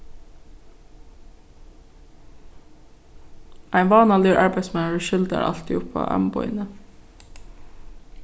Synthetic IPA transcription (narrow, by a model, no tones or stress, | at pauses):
ʔæɪnʋɑːnɑːlyːɹʔɑɹbæɪsmɛəɹəʃʏld̪ɑ̰ɾʔɑ̰lt̪iʊpʰɑ̰ːʔæ̰mbɔ̰ɪ̰nə